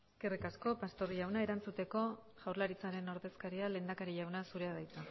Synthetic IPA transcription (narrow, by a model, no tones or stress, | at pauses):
kerikasko̞past̪o̞ɾʝawnae̞ɾant͡sut̪e̞ko̞ | ʝawrlaɾit͡saɾe̞no̞ɾðe̞skaɾiale̞ːnd̪akaɾiʝawnasuɾe̞aðajt͡s̪a